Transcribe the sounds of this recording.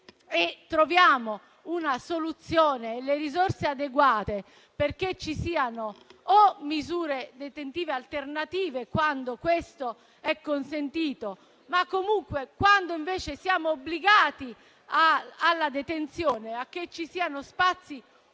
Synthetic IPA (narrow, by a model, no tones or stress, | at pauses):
et̪ːɾovjaːmo | unasolut̪sːjɔːneːleɾizorsead̪eɡwaːt̪e | perket͡ʃːisiːanoomːizuːɾed̪et̪ent̪iːvealt̪ernat̪iːvekwand̪okwest̪o | ɛkːonsent̪iːt̪o | makːomuŋkwekwand̪oiɱvɛːt͡ʃesjaːmoobːliɡaːt̪i | aːlːad̪et̪ent̪sjɔːneak̟ːet͡ʃːisiːanospat̪sːi